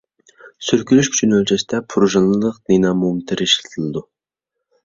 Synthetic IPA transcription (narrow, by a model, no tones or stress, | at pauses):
syɾkʲylyʃkʲʰy̥t͡ʃʰynølʲt͡ʃʰɛsɪ̥t̪ɛpʰuɾuʒɑnˠɨlˠəqnenɑmumt̪ʰɪɾiʃlɨt̪ʰɨlˠɨd̪u